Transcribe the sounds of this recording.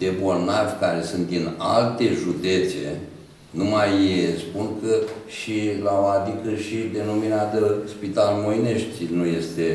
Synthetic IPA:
d̪e̞bo̞rnavʲkaɾe̞sɨnt̪̚d̪ina̰lt̪e̞ʒud̪e̞t̪sḛ | numajespunkəʃilaoad̪ikəʃid̪e̞nominat̪əspit̪almojne̞ʃt̪ʲnuje̞st̪e̞

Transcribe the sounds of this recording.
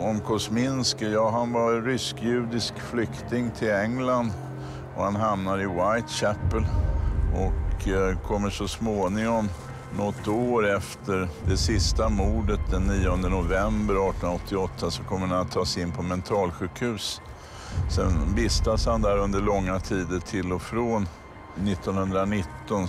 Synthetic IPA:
ɔmkʰɔsmɪnskjɑːɦanvaɾɾʏskjʉ̟ːd̪ɪskflʏkt̪ɪŋt̪ʰɪlɛŋland̪ | ɔhanɦamnaɾɪwajt̪ɕæpːəlɔkkʰɔmːəʂɔsmoːnɪŋɔm | nɔt̪ːoːɾɛft̪əɾd̪ɛsɪst̪amuːɖət̪̚d̪ɛnːiːɔnd̪ənʊvɛmbəɾɑːʈ̪ɔnaɔt̪ʰːɪɔt̪ʰːasɔkʰɔmːəɾanat̪ʰːɑːsɪnːpʰɔmɛnt̪ʰɾɑːlɧʉ̟ːkhʉ̟ːs | sɛ̰nbɪst̪ashand̪æɾɵnd̪əɭɔŋːat̪ʰiːd̪əʈʰɪlːɔfɾoːnː | ɪt̪ːɔnhɵnd̪ɾanɪt̪ːɔn

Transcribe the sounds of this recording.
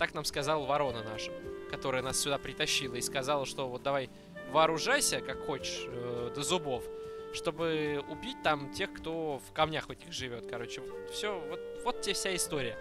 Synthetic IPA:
t̪aknamskɐzalˠəvɐɾo̞nənaʂə̥kɐt̪o̞ɾəjənassʲʊd̪apɾʲɪt̪ɐɕːilˠəiskɐzɑlˠəʂt̪o̞vo̞t̪̚d̪ɐvaj | vəːɾʊʐajsʲəkakxo̞t͡ɕɪ̥ʂəd̪əzʊbo̞fʂt̪o̞bɨʊbʲit̚ʲt̪amtʲe̞xkt̪o̞fkɐmnʲaxvɛtʲɪxʐɨvʲo̞t̪kɐɾo̞t͡ɕːɪvot̪fsʲovot̪̚vot̪̚tʲefsʲaɪst̪o̞ɾʲɪjə

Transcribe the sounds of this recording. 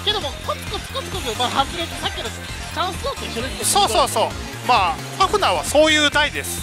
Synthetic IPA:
ke̞d̪o̞mokot͡sɨ̥kot͡sɨ̥kot͡sɨ̥kot͡somaɦazɨɾekisakʲːeɾo̥ | t̪ãsot̪okiɾeesoːsoːso̞ː | maː | paɸɯ̟naβaso̞ːjɯ̟ːd̪aid̪e̞sɨ̥

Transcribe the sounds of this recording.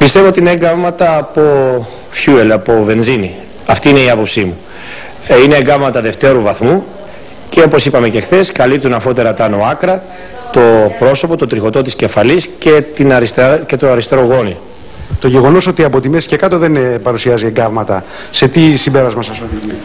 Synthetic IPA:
pist̪e̞voot̪iineeŋɡɐvmɐt̪ɐːpo̞ | fçuelɐpo̞ve̞nzini | ɐft̪iine̞iɐpo̞psimu | ineːɡɐvmɐt̪ɐðe̞ft̪e̞ɾuvɐθmu | ceo̞po̞sipɐme̞ce̞xθe̞skɐlip̚t̪unɐfo̞t̪eɾɐt̪ɐno̞ɐkɾɐ | t̪o̞pɾo̞so̞po̞t̪ot̪ɾixo̞t̪o̞t̪isce̞fɐlisce̞t̪inɐɾist̪ece̞t̪oɐɾist̪eɾo̞ɣo̞ni | t̪oʝeɣo̞no̞so̞t̪iɐpo̞t̪ime̞si̥cekɐt̪o̞ðe̞npɐɾusiɐzieŋɡɐvmɐt̪ɐ | se̞t̪isimbe̞ɾɐzmɐsɐso

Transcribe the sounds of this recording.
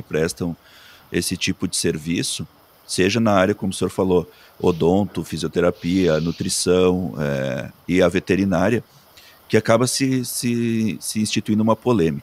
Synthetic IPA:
ɪpɾɛst̪ɐ̃w̃ | esɪt͡ʃipʊd͡ʒɪseɾvisʊ | seʒɐnɐaɾjɐkõmʊsẽoɾfalo | o̰d̪õnt̪ʊfiziot̪eɾapiɐnut̪ɾisɐ̃w̃ɛ̰ɪɐvet̪eɾinaɾjɐ | kɪakabɐsɪsɪsɪĩst͡ʃit̪uĩnd̪ʊũmɐpolẽmikɐ

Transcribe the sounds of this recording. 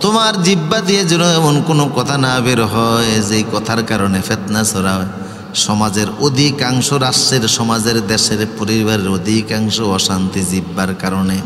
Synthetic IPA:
t̪omaɾd͡ʑibːad̪ijed͡ʑiloɛmonkonokɔt̪ʰanabeɾɦɔed͡ʑejkɔt̪ʰaɾkaɾonefet̪nasɔɾa | ʃɔmad͡ʑeɾod̪ʱikaŋʃoɾaʃeɾʃɔmad͡ʑeɾd̪eʃeɾpoɾibaɾeɾod̪ʱikaŋʃoɔʃant̪id͡ʑibːaɾkaɾone

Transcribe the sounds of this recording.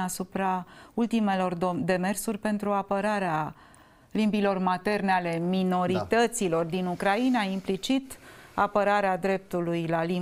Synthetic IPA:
asupɾault̪ime̞lo̞rd̪e̞me̞rsurʲpe̞nt̪ɾuapəɾaɾea | limbilo̞rmat̪e̞rneale̞mino̞ɾit̪ət̪silo̞rd̪inukɾainaimplit͡ʃit̪apəɾaɾead̪ɾe̞p̚t̪ulujlali

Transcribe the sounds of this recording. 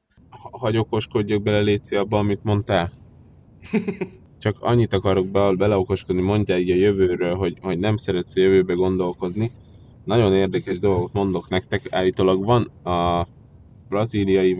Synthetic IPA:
hɦɒɟo̞ko̞ʃko̞ɟːoɡ̚bɛlɛleːt̪seɒbːɒːmit̪mo̞nt̪aːl | t͡ʃɒkɒ̰ɲːit̪ɒkɒɾo̞ɡ̚bbɛlɛo̞ko̞ʃko̞d̪nimo̞ɲɟaːiːɟɒjøvøːɾølɦo̞ɟho̞ɟnɛmsɛɾɛt̪sɒjøvøːbɛɡo̞nd̪o̞lko̞zni | nɒɟo̞neːrd̪ɛkɛʒd̪o̞lɡo̞t̪mo̞nd̪o̞knɛkt̪ɛka̰ːlit̪oːlɒɡʋɒnɒ | b̥rɒziːlijɒi

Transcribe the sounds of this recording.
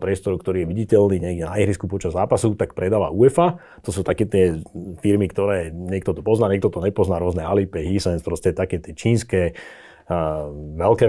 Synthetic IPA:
pɾɪɛst̪ɔɾukt̪ɔɾiːjɛʋiɟicɛlniːɲɛɡɟɛnaiɦɾiskupɔt͡ʃazːaːpasut̪akpɾʔɛd̪aːʋa̰uɛfa | t̪ɔsuːt̪akɛːt̪ɪɛfiɾmikt̪ɔɾɛːɲɛk̚t̪ɔt̪ɔpɔznaːɲɛk̚t̪ɔt̪ɔɲɛpɔznaːɾʊɔznɛalipɛɦisɛnspɾɔscɛt̪akɛːt̪ɪɛt͡ʃiːnskɛ | ʋɛlkɛː

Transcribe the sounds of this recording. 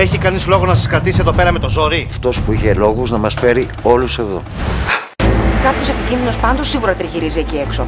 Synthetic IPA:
e̞çikɐnizlo̞ɣonɐsɐskɾɐt̪isie̞ðo̞pe̞ɾɐme̞t̪o̞zo̞ɾiɐft̪o̞spuiçe̞lo̞ɣuznɐmɐsfe̞ɾi | o̞luse̞ðo̞̰ | ikɐpço̞sepicinðino̞spɐnd̪o̞sːiɣuɾɐt̪ɾiçiɾizieciekso̞

